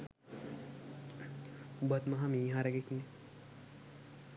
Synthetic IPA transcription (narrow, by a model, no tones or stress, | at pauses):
ubɐt̪mɐɦamiːɦãɾɐɡekne